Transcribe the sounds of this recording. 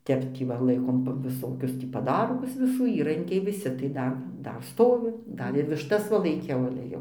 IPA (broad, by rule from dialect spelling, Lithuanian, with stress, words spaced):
ˈtʲɛp ˈtʲiː ʋɐ ˈlˠɐɪkoːm ʋʲɪˈsoːkʲʊs tʲiː pɐˈdɐrɡʊs ʋʲɪˈsuː ˈiːrɐŋʲkʲɛɪ ʋʲɪˈsʲɪ tɐɪ ˈdɐr ˈdɐr ˈstoːʋʲɪ ˈdɐr ɪr ʋʲɪʃˈtɐs ʋɐ lˠɐɪˈkʲɛʊ ɐlʲɛ ˈjɛʊ